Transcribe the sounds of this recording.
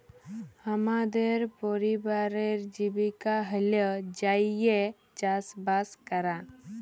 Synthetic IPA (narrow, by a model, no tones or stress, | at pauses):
həmad̪eɾpɔɾibaɾeɾd͡ʒibikaɦələd͡ʒaje | t͡ʃasbaskəɾa